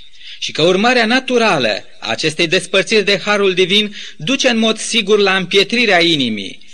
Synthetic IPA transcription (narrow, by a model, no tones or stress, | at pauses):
ʃikəurmaɾeanat̪uɾalə̰ | a̰ːt͡ʃe̞st̪ejd̪e̞spərt̪sirʲd̪e̞haɾuld̪ivin | d̪ut͡ʃe̞ɨnmo̞d̪siɡurlaɨmpje̞t̪ɾiɾeainimḭ